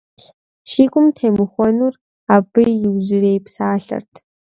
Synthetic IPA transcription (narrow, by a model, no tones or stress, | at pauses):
ʃiːkʷʼʊmtʰeːmɨxʷɔnuːr | aːbɨjjɪwʑɪreːjpsaːɬɐ̰rtʰ